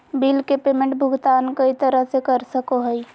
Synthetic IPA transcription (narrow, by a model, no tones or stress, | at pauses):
biːlkepeːmẽɳʈbʱʊɡt̪aːnkəit̪əɾəɦsekəɾsəkoɦəi